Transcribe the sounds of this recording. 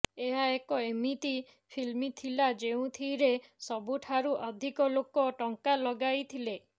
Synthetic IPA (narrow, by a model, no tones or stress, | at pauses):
eɦaekɔemit̪i | pʰilmit̪ʰilad͡ʒeũt̪ʰiɾesɔbuʈʰaɾuʔɔd̪ʱikɔlokɔʈɔŋkalɔɡajt̪ʰile